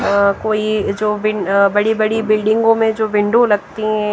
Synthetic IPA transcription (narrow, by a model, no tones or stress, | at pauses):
koːid͡ʒoːbɪbɐɽibɐɽibɪlɖɪ̃ŋɡõmẽd͡ʒoːbɪ̃ɳɖolɐɡt̪iɦɛ̃